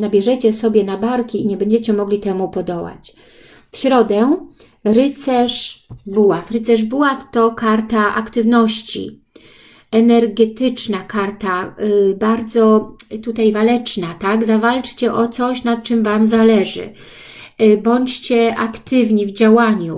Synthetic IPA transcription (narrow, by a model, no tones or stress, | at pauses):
nabʲjɛʐɛt͡ɕɛsɔbʲjɛnabaɾkʲiːɲɛbɛɲd͡ʑɛt͡ɕɛmɔɡlʲit̪ɛmupɔd̪ɔwa̰t͡ɕ | fɕɾɔd̪ɛ | ɾɘt̪sɛʂbuwafɾɘt̪sɛʐbuwaft̪ɔkaɾt̪aʔakt̪ɘvnɔɕt͡ɕḭ | ɛnɛɾɡɛt̪ɘt͡ʂnakaɾt̪abaɾd̪zɔt̪ut̪ajvalɛt͡ʂnat̪aɡzavalt͡ʂt͡ɕɛʔɔt̪sɔɕnat̪̚t͡ʂɘmvamzalɛʐɘ̰ | bɔɲt͡ɕt͡ɕɛʔakt̪ɘvɲivd͡ʑawaɲu